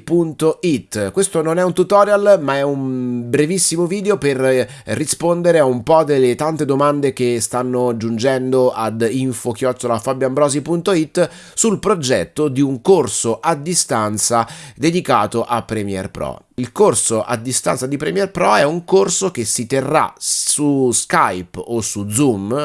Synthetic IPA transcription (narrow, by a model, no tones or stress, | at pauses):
punt̪oit̪ːkwest̪ononɛunt̪ut̪ɔːɾjalmaɛumbɾevisːimoviːd̪eoperːispond̪eɾeaumpɔd̪elːet̪ant̪ed̪omand̪ek̟est̪anːoad͡ʒund͡ʒɛnd̪oʔad̪iɱfokjɔt͡ʃ̪ːolafabjambɾɔːzipunt̪oit̪ː | sulpɾod͡ʒɛt̪ːod̪iuŋkorsoʔad̪ːist̪ant̪sad̪ed̪ikaːt̪oʔapːɾɛmjɛ̰rpɾɔ̰ | ilkorsoʔa̰d̪ːist̪a̰nt̪sad̪ipɾɛmiɛrpɾɔɛuŋkorsokesit̪erːa̰suska̰jposud̪zum